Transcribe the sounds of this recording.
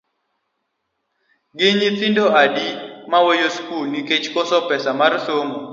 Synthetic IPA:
ɡɪɲit͡sindoadimawojoskulniket͡ʃkɔsɔpɛsamarsomo

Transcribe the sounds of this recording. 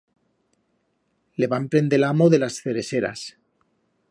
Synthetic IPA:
le̞βampɾe̞nd̪elamoðe̞lasθe̞ɾe̞se̞ɾa̰s

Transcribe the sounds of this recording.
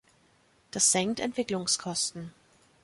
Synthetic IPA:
d̥asz̥ɛŋktɛ̰ntv̥ɪklʊŋskʰɔstn̩

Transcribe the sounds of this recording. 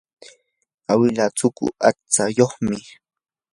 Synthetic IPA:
awɪlat͡sʊkʊ̰at͡sajoχmɪ

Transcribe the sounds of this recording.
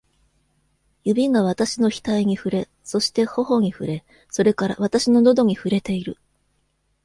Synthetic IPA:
jɯ̟bʲiŋɡaβ̞at̪aɕino̞çi̥t̪aiɲ̟iɸɯ̟ɾe̞ | so̞ɕi̥t̪e̞ho̞ho̞ɲ̟iɸɯ̟ɾe̞ | so̞ɾe̞kaɾa̰β̞at̪aɕino̞no̞d̪o̞ɲ̟iɸɯ̟ɾe̞t̪e̞iɾɯ

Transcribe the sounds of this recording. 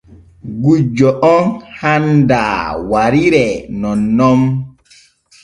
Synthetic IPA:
ɡud͡ʒːɔʔɔnhanda̰ːwaɾiɾɛnɔnːɔm

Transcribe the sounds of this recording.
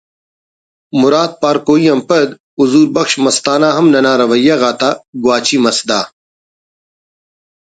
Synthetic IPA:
mʊɾaːt̪̚paːɾkoːiɐmpɐd̪ | uzuːɾbɐxʃmɐst̪aːnaːɦɐmnɐnaːɾɐʋɐjːaɣaːt̪aːɡwaːt͡ɕiːmɐsd̪aː

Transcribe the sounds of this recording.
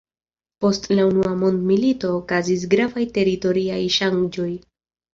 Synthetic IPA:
po̞stlaunuamo̞ndmilito̞ːkazis̬ɡɾavajte̞ɾito̞ɾiajʃaŋd͡ʒo̞j

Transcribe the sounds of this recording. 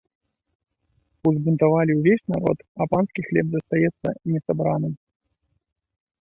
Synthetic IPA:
uzbunt̪avalʲiwvʲesʲnaɾɔ̰t̪ɐpanskʲixlʲɛbzɐst̪ajɛt̪sːɐ̰nʲɛsabɾanɨm

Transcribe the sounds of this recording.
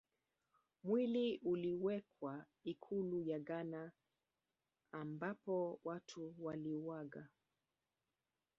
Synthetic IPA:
mwiliʔuliwɛkwa | ikʰulujaɡana | mbapɔwatʰuwaliwaɡa

